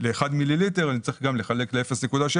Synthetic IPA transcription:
leːχad̪mililiteʁanit͡sʁiχɡamle̞χale̞kleefesne̞kud̪aʃe

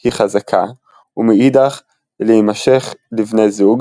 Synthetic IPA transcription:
hiχazakʰa | umeid̪aχ | leimaʃe̞χlifnejzuɡ

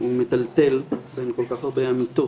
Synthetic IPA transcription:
umet̪alt̪e̞lbenkolkaχaʁbeamit̪o

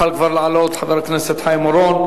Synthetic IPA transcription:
alkfɑɾˤlʕaloːt̪ˤħɑðˤɑɾˤɑknɪset̪ħajmʊɾˤoːn

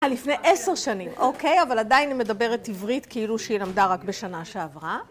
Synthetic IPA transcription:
alifnejʔeseʁʃanimo̞ke̞javaladainime̞dabe̞ʁetivʁitkeiluʃeilamdaʁakbeʃanaʃeavʁa

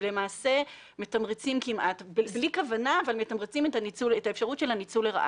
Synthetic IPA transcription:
le̞maːse̞ | metamʁet͡simkimʔatbblikavanaːvalmetamʁet͡simetanit͡suletaefʃaʁutʃe̞lhanit͡suleʁa̰ʔ

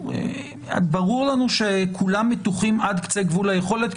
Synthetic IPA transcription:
ḛ | a̰baʁuʁlanuʃekʰulamːet̪uχimad̪kt͡seɡvulajeχo̞le̞t̪

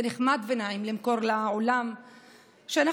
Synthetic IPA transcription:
eneχmad̪venaimlimko̞ʁlaolam | ʃeana

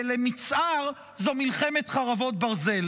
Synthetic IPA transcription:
lemit͡sʔaʁ | zomilχemet̪χaʁavo̞t̪̚baʁze̞l

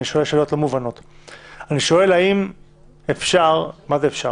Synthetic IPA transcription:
iʃoelʃeljotlomuvano̞taniʃo̞e̞laim | efʃaʁmazeːfʃa

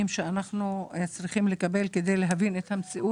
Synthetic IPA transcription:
imʃeanaχnut͡sʁiχimle̞kabe̞lked̪e̞jleɦavinet̪hamt͡siʔu

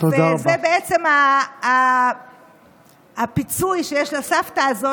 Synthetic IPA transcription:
t̪od̪aʁazebeet͡se̞maː | pit͡sujʃe̞jeʃlasaftaːzo

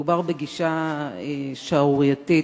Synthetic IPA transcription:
ubaʁbeɡiʃa | ʃauʁjat̪i

